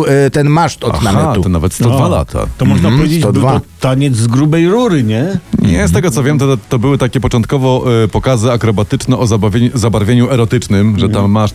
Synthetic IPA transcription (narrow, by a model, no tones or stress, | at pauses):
t̪ɛnmaʂt̪ɔad̪̰namaɛt̪uɔnavɛt̪st̪ɔvala̰t̪ʰa̰t̪ɔmɔʐnapɔvjed͡ʑet̪ɔd̪vaɔt̪aɲɛd̪zzɡɾubɛjɾuɾɘɲɛɲɛst̪ɛɡɔt̪sɔvʲjɛmt̪ɔt̪ɔbɘwɘt̪akʲɛpɔt͡ʂɔnt̪̚kɔvɔpɔkazɘakɾɔbat̪ɘt͡ʂnɛʔɔzabavʲzabaɾvʲjeɲuɛɾɔt̪ɘt͡ʂnɘmʐɛt̪amːaʂt̪